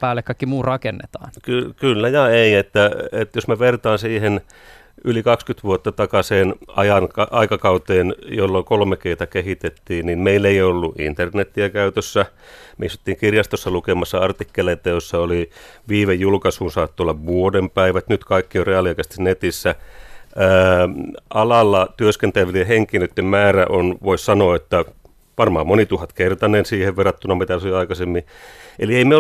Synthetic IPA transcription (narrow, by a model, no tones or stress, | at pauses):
pæːlːekkɑikːimuːtrɑkenːḛt̪ɑːnkykylːæjɑeiet̪ːæet̪josmeʋert̪ɑːnsiːhen | ylikɑkskyt̪ʋuot̪ːɑt̪ɑkɑseːnʔɑ̰jɑnkɑʔɑikɑkɑut̪eːnjolːokolmekeiːt̪ɑkehit̪et̪ːiːnninmeilːeiolːuʔḭnt̪ernet̪ːiækæyt̪øsːæ | meisu̥t̪ːiːŋkirjɑst̪osːɑlukemɑsːɑɑrt̪ikːeleit̪ːɑjosːɑoliʋiːʋejjulkɑsuːnsɑːt̪ːuolːɑʋʋuodempæiʋæt̪nyt̪kɑikːioreɑliɑkæst̪isnet̪isːæ | əː | ɑlɑlːɑt̪yøskent̪æʋiliheŋkinøt̪ːemmæːræʔonʋoissɑnoːet̪ːæ | ʋɑrmɑːmmonit̪uhɑt̪kert̪ɑnensiːheʋʋerɑt̪ːunɑmit̪æsoiɑikɑsemːielieimeo